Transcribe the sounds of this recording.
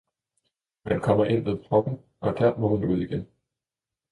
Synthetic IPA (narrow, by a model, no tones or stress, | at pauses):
mænkʰɒ̽m̰ɐʔe̝n̰ʋeðˠfʰʁɒ̽ɡ̥n̩ | ɒ̽d̥æɐ̰mɒ̽hunuð̞̰ˠiɡ̥en